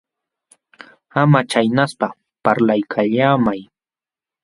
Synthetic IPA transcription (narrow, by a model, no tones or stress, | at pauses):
amat͡ʃajnaspa | paɾlajkʰaʎaːmaj